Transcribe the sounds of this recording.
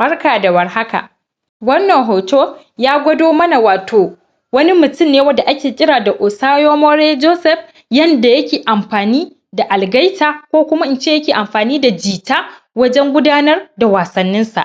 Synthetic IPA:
bɐ˦rkaː˨da˨wɐ˨rha˦ka̰˨ | wɐ˦nːɐ˨ŋɦoː˨toː˦ | jaː˦ɡʷɐ˦doː˦mɐ˦na˨waː˨tʰoː˨ | wɐ˦ni˦mʊ˨tʊ˦mneː˦wɐ˦da˨ʔa˦kʲeː˨kʲʼɪ˦ɾaː˨da˨ʔʊ˨saː˦joː˦mɔ˦ɽeː˦d͡ʒoː˦sɛ˨ɸ | jɐ˦nda˨jɐ˦kʲeː˨ʔa˨mɸaː˨niː˦ | da˨ʔa˨lɡɐ˦jtaː˨kʷoː˦kʷʊ˦ma˦ʔɪ˦nt͡ʃeː˦˨jɐ˦kʲeː˨ʔa˨mɸaː˨niː˦da˨d͡ʒiː˨taː˦ | wɐ˦d͡ʒɛ˦ŋɡʷʊ˦daː˦nɐ˦rda˨waː˨sɐ˦nːɪ˦nsa̰˨ʔ

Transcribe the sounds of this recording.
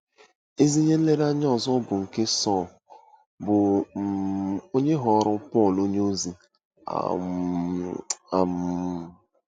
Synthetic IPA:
i˦zi˦ɲe˦le˦ɾa˦ɲ˦ɔ˦˨zɔ˦bʊ˨ŋ̩˨ke˦sɔ˦˨ | bʊ˨ | o˦ɲe˦ɦɔ˨˦ɾʊ˦pɔ˦˨lo˦ɲe˦o˦zi˨ | a̰˨ | a̰˨m

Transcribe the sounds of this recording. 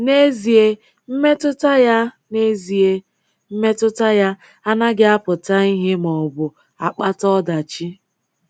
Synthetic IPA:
ne˦zi˨e˦ | m̩˦me˦tʊ˦ta˦ja˦ | ne˦zi˨e˦ | m̩˦me˦tʊ˦ta˦ja˦ | a˦na˦ɡɪ˦a˦pʊ˨ta˦i˦ɦɪ˦mɔ˨bʊ˨ | a˨k͡pa˦tɔ˦da˨t͡ʃi˦

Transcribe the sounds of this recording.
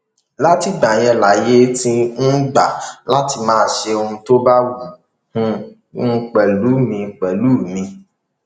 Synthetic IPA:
la˦ti˦ɡ͡ba˨j̃ɛ˧la˨˦je˦tĩ˦nũ˦ɡ͡ba˨la˦ti˧mãː˦ʃe˧o˧hũ˧to˦ba˦wu˨ | hũ˧˦˧ | k͡pɛ˨lu˨˦mĩ˧k͡pɛ˨lu˦˨mĩ˧

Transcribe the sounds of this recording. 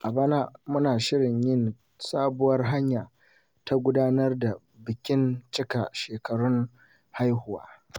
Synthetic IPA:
ʔa˨baː˦na˦mʊ˦naː˨ʃɪ˦ɽɪ˨ɲjɪ˦n | saː˦bʊ˦wɐ˦rɦa˦ɲjaː˨ | ta˦ɡʷʊ˦daː˦nɐ˦rda˨ | bɪ˨kʲɪ˦nt͡ʃɪ˦ka˨ʃeː˨kɐ˨ɽʊ˦ŋ | ha˦jhʊ˦wa̰ː˦

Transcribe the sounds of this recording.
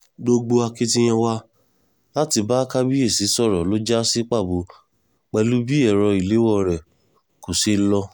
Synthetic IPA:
ɡ͡bo˧ɡ͡bo˧a˧ki˦ti˦j̃ã˧wa˦ | la˦ti˧ba˦ka˦bi˦e˦˨si˨˦sɔ˦˨ɾɔ˨lo˦d͡ʒa˦si˦k͡pa˦˨bu˨˦ | k͡pɛ˧lu˦bi˦ɛ˦˨ɾɔ˧i˨le˨˦wɔ˦˨ɾɛ˨ | ko˨se˧˦lɔ˧

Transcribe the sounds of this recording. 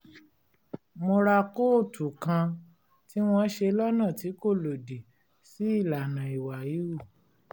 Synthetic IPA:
mo˧ɾa˧ko˦˨tʰu˨kã˧ | ti˦w̃ɔ̃˧˦ʃe˧lɔ˦nã˦˨ti˨˦ko˦˨lo˨di˨ | si˨˦i˦˨la˨nã˨i˨wa˨ji˨˦u˦˨

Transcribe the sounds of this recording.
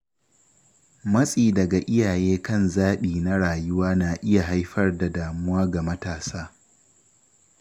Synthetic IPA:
mɐ˦sʼiː˨dɐ˨ɡa˨ʔɪ˦jaː˨jeː˦kɐ˦˨nzaː˦ɓiː˨na˦ɽaː˨jʊ˦waː˦na˨ʔɪ˦ja˨ɦa˦jɸɐ˦rda˨daː˨mʊ˦waː˦ɡa˨mɐ˦taː˨saː˦

